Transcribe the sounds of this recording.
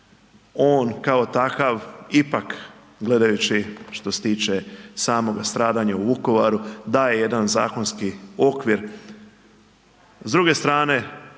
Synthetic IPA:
oːnkao̞t̪akaʋipak | ɡle̞d̪ajut͡ɕiʃt̪o̞se̥t̪iːt͡ʃesaːmo̞ɡast̪ɾaːd̪aɲauuko̞ʋaɾud̪aːjeje̞d̪anza̰ːko̞nskio̞kʋiɾ | zd̪ɾuɡe̞st̪ɾaːne̞

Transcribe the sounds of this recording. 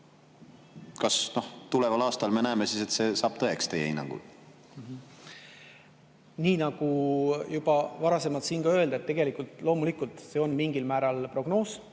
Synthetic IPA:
kɑsno̞ht̪ulevɑlɑːst̪ɑlme̞næemesise̞t̪se̞ːsɑːb̥̚t̪ɤe̞kst̪ejḛinːɑ̰ŋɡ̥ṵl | mɦ | niːnɑɡ̥ujub̥ɑvɑɾɑse̞mɑt̪siːnɡ̥ɑø̞eld̪ɑet̪ːeɡ̥e̞likult̪ˑlo̞ːmulikult̪ˑse̞o̞nmiŋɡ̥ilmæːɾɑlpro̞ɡ̥no̞ːs

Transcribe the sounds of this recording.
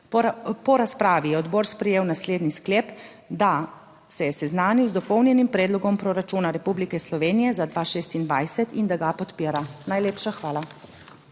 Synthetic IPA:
pɔɾaspɾaːʋijɛɔd̪bɔːɾspɾɛjeːwnasleːd̪niskleːp | d̪a | sɛjɛsɛznaːniwzd̪ɔpɔwnjɛnimpɾɛːd̪lɔɡɔmpɾɔɾat͡ʃuːnaɾɛpublikɛslɔʋeːnijɛzad̪ʋaːʃeːst̪ind̪ʋajsɛt̪ind̪aɡapɔt̪piːɾanajleːpʃaxʋaːla

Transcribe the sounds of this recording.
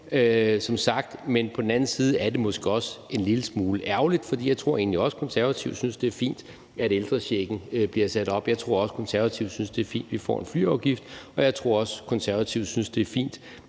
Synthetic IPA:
øsɒ̽msɑ̈ɡ̥d̥menpʰɒd̥en̩æn̩siːð̞̩ˠəæɐd̥e̝mɔ̽sɡ̥əɒ̽se̝nliləsmuːləʔæɐʊlid̥fɒ̽d̥ḭːjɑ̈ɪt͡sʰʁo̝ɐ̰e̝ːn̩liɒ̽sə̥kʰɒ̽nsæɐʋæt͡sʰiʊd̥synsd̥e̝ɐfḭːnd̥ | æɾ̥eld̥ʁɐɕeɡ̥n̩øb̥liɐsæd̥ɒ̽b̥jɑ̈ɪt͡sʰʁo̝ɐɒ̽sə̥kʰɒ̽nsæɐʋæt͡sʰiʊd̥synsd̥e̝æɐfḭːnd̥ʋifɒ̰ːe̝nfly̰ːɑʊɡ̥ifd̥ɒ̽jɑ̈ɪt͡sʰʁo̝ɐ̰ɒ̽səkʰɒ̽nsæɐʋæt͡sʰiʊ̰d̥synsd̥e̝ɐfḭːnd̥

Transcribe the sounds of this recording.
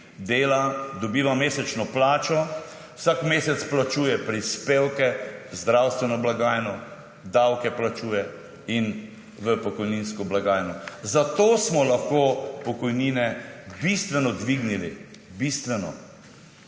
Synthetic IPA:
d̪eːlad̪ɔbiːʋameːsɛt͡ʃnɔplaːt͡ʃɔ | w̥sakmeːsɛt̪splat͡ʃuːjɛpɾispeːwkɛzd̪ɾawst̪ʋɛnɔblaɡaːjnɔ | d̪awkɛplat͡ʃuːjɛ | in | ʋəpɔkɔjninskɔblaɡaːjnɔzat̪oːsmɔlaxkoːpɔkɔjniːnɛbist̪ʋɛnɔd̪ʋiɡnili | bist̪ʋɛnɔ

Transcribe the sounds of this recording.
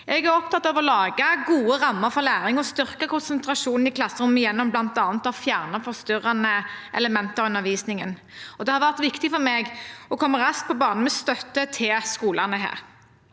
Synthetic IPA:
ʔɛɡæɾɔp̚t̪ɑt̪ːɑʋɔlɑːɡəɡuːəʁɑmːəɾfɔʁlæːʁɪŋɔst̪ʏʁkəkʰʊnsənt̪ʰɾɑʂuːnn̩ɪkʰlɑsːəʁʊmːjɛnːɔmblɑnt̪ɑːnt̪ɑfjæːʁnəfɔʁst̪ʏʁɑnəʔɛ̰ləmɛnt̪əʉnːəʋiːsnɪŋən | ɔd̪ɛhɑʁʋæʁt̪ʋɪkt̪ɪfɔmeɡɔkʰɔmːəɾɑsk̚pɔbɑːʁnn̩əmɛst̪œt̪ːət̪ʰɪlskuːlɑnəɦæ̰ːʁ

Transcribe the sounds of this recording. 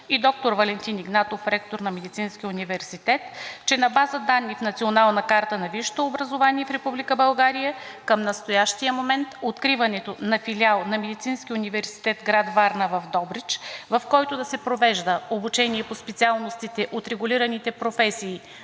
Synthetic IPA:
id̪ɔk̚t̪oɾvɐlɛnt̪iniɡnat̪ofɾɛkt̪oɾnɐmɛd̪it̪sinsk̟ʲiunivɛɾsit̪ɛt̪t͡ʃɛnɐbazəd̪anːifnɐt̪sionalˠnɐkaɾt̪ənɐviʃt̪oːbɾɐzovaniɛfɾɛpublikəbɐlˠɡaɾijəkəmnɐst̪ojaʃt̪ijəmomɛnt̪ot̪kɾivɐnɛt̪onɐfilialˠnɐmɛd̪it̪sinsk̟iunivɛɾsi̥t̪ɛt̪ɡɾad̪vaɾnəvɐfd̪ɔbɾit͡ʃvɐfkɔjt̪od̪ɐsɛpɾovɛʒd̪əobut͡ʃɛniɛpospɛt̪sialˠnost̪it̪ɛʔot̪ɾɛɡʊliɾɐnit̪ɛpɾofɛsiː

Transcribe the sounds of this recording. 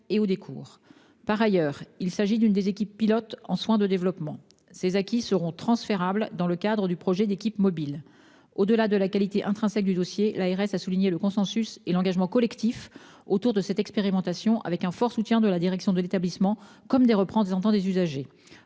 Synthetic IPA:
eod̪ekʰṵːʁ | paʁajœːʁilsaʒid̪ynd̪ezekʲipːilɔt̪ɑ̃swɛ̃d̪əd̪evlɔpmɑ̃ | sezakʲisəʁɔ̃t̪χɑ̃sfeʁabld̪ɑ̃ləkad̪ʁəd̪ypχɔʒɛd̪ekʲipmɔbil | od̪əlad̪əlakalit̪eʔɛ̃t̪χɛ̃sɛk̚d̪yd̪ɔsjelaɛʁɛsasuliɲeləkɔ̃sɑ̃syselɑ̃ɡaʒmɑ̃kɔlɛkt̪if | ot̪uʁd̪əsɛt̪ɛkspeʁimɑ̃t̪asjɔ̃ʔa̰vɛkɛ̃fɔʁsut̪jɛ̃d̪əlad̪iʁɛksjɔ̃d̪əlet̪ablismɑ̃kɔmd̪eʁəpχɑ̃d̪ezɑ̃t̪ɑ̃d̪ezyzaʒe

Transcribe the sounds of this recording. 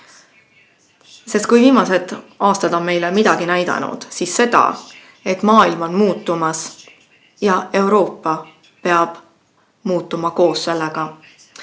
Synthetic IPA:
se̞st̪̚kujviːmɑse̞d̪̥ʔɑːst̪ɑd̪̥o̞nme̞jlemid̪̥ɑɡ̥inæjd̪̥ɑ̰nṵd̪̥sisːe̞d̪̥ɑ̰ | e̞t̪ːˑmɑːilmo̞nmuːt̪ːˑumɑs | jɑe̞wɾo̞ːpːˑɑ | pe̞ɑb̥ | muːt̪ːˑumɑko̞ːsse̞lːeɡ̥ɑ

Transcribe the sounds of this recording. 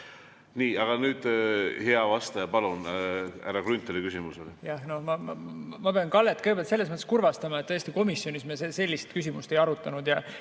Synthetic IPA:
niːɑɡ̥ɑnyːd̪̥heɑvɑst̪ɑjɑpɑlunæ̰ɾɑkɾynt̪ːˑelikysimuso̞lijɑhno̞mɑmɑmɑpeɑnkɑlːet̪ːˑkɯjɡeelt̪seːesmɤt̪ːeskurvɑst̪ɑmɑt̪ːɤest̪iko̞misːjo̞nismesese̞lʲːist̪kys̬ʲimust̪e̞jɑɾut̪ˑːɑnud̪jɑ

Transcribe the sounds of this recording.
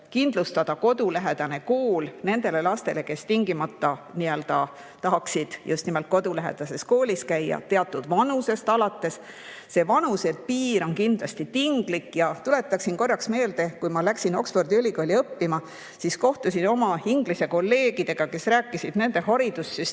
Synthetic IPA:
kind̪lust̪ɑd̪̥ɑko̞d̪ulæɦe̞d̪̥ɑne̞ko̞ːlne̞nd̪̥e̞le̞lɑst̪e̞le̞ke̞st̪iŋɡ̥imɑt̪ːɑniølt̪ɑ | t̪ɑɦɑksid̪̥just̪nimelt̪̚ko̞d̪ulæɦḛd̪̥ɑse̞sko̞ːlʲiskæjːɑ̰t̪e̞ɑt̪ːˑud̪̥vɑnuse̞st̪ɑlɑt̪ːe̞s | se̞vɑnuse̞t̪̚piːɾo̞nkind̪̥lɑst̪it̪iŋɡ̥likːjɑt̪ule̞t̪ːˑɑksinko̞rːɑksme̞ːld̪e̞kujmɑlæksino̞ksfo̞rd̪iylʲikoːlʲiɤpːimɑ | sisko̞ht̪usino̞mɑiŋɡ̥lise̞ko̞lːe̞ːɡid̪̥e̞ɡ̥ɑke̞sɾæːkˑːisid̪̥ne̞nd̪e̞ɦɑɾid̪̥usːys

